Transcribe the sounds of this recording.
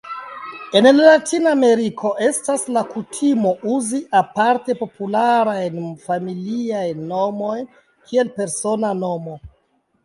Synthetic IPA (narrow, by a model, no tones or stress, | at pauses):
e̞nlatinaːme̞ɾikʰo̞ʔe̞staslakutʰimo̞ʔuziʔapaɾte̞po̞pulaɾajnfamiliajnːo̞mo̞jn | kʰie̞lpe̞ɾso̞nano̞mo̞